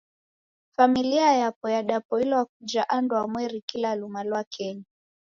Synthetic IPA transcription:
familiajapɔjaɗapɔilɔak̚ud͡ʒaʔandwamwɛɾikilalumalwakʰɛɲa

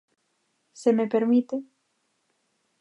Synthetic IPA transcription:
semepeɾmit̪e

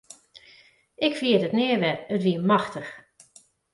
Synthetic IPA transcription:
ɪkfiədətnɪəʋɛətʋiəmɑxtəx

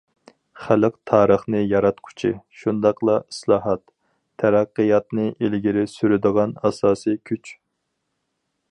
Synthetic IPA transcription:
χælɨqt̪ʰɑːɾəχnɨjɑɾɑt̪qʰʊ̥t͡ʃʰḭʃund̪ɑqlˠɑislˠɑːɦɑt̪ʰː | æɾɑqːɨjɑt̪nɨʔelɡʲiɾɪsyɾyd̪əʁɑnɑ̰sɑːsɨkʲʰyt͡ʃ

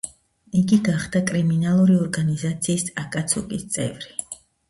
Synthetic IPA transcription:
iɡiɡaχd̪akʼɾiminalˠuɾiɔɾɡanizat̪sʰiːsakʼat̪sʰɔkʼist̪sʼɛ̰vɾi

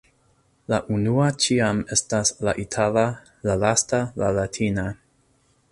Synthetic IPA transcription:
laʔunuat͡ʃiamestaslaʔitʰala | lalastalalatʰina

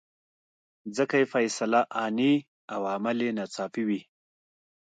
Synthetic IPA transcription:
d͡zəkajefajsalaʔɑni | awamalenat͡sɑpiwi

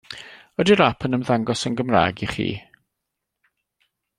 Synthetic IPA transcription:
ɔdiɾapʰənəmðaŋɡɔsənɡəmra̰ːɡiχḭː

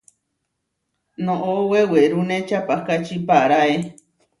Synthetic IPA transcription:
nõʔoweweɾunẽt͡ʃapakat͡ʃipaɾae

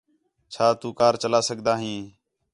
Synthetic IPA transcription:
t͡ʃʰaːt̪uːkaːɾt͡ʃəlaːsəɡd̪aːɦĩː

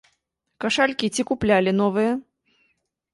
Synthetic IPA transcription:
kaʂalʲkʲit͡sʲikuplʲalʲin̪ɔvɨjɐ

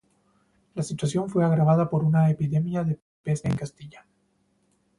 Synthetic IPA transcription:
lasit̪wasjo̞ɱfwe̞aɣɾaβaðapo̞ɾunaepiðe̞mjaðe̞ | pe̞saeŋkast̪iʝa

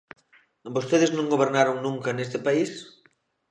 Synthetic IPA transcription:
bost̪eðɪznõŋɡoβ̞eɾnaɾoŋnũŋkɐnest̪ɪpais

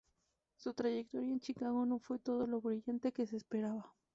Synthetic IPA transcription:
sut̪ɾaʝek̚t̪o̞ɾjaent͡ʃikaɣo̞no̞fwe̞t̪o̞ð̞o̞lo̞βɾiʝant̪e̞ke̞sespe̞ɾaβa

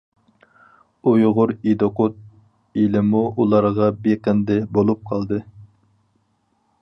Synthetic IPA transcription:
ujʁʊɾid̪oqot̪̚ | ilɪmuʔulˠɑɾʁɑbeqənd̪ɪbolˠup̚qʰɑlˠd̪ɨ

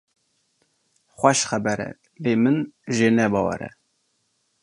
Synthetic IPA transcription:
χʷɛʃχæbɛɾɛ̰ | leːmɨnʒeːnɛbɑːwɛ̰ɾɛ̰

